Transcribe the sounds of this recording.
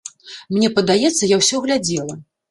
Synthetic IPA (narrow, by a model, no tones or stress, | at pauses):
mnʲɛpɐd̪ajɛt̪sːɐjawsʲɔɣlʲad͡zʲɛlˠɐ